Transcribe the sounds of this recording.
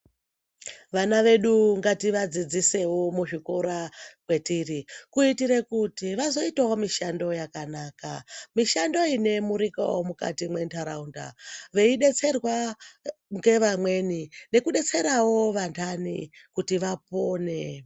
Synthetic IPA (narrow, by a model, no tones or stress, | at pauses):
ʋanaʋe̞ɗuŋɡatiʋad͡zid͡zise̞womuʐikoɾakwe̞tirikuitiɾekutiʋazo̞itawomiʃando̞jakanaːkamiʃando̞ine̞muɾika̰womuka̰timwe̞ntʰaɾaunda̰ʋe̞iɗe̞t͡se̞rwa | ŋɡe̞ʋamwe̞nine̞kuɗe̞t͡se̞ɾawo̞ʋantʰanḭkutiʋap̚o̞ːne̞